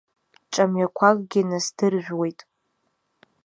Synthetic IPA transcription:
t͡ʃʼamɥakʷʰakʼɡʲɪnasdɨrʒʷᶣwe̞jtʼ

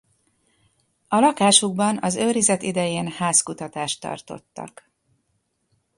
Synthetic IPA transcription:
ɒlɒkaːʃuɡ̚bɒnɒzøːɾizɛt̪id̪ɛjeːnhaːskut̪ɒt̪aːʃt̪ːɒ̰rt̪o̞̰t̪ːɒ̰k

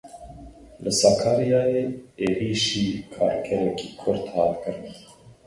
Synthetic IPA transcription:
ləsɑkʰɑːɾijɑːjeːeːɾiːʃiːkʰɑ̰ːɾkʰɛɾɛkiːkʰʊɾt̪hɑːt̪kɨɾn

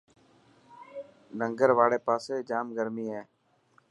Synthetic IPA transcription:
nə̃ŋɡəɾʋaːɽeːpaːseːd͡ʒaːmɡəɾmiːɦɛː

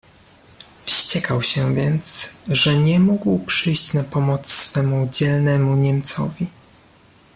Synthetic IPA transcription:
fɕt͡ɕɛkʰawɕɛvʲjɛnt̪sʐɛɲɛmuɡwpʂɘjɕt͡ɕnapɔmɔt̪sːfɛmud͡ʑɛlnɛmuɲɛmt̪sɔ̰vʲi

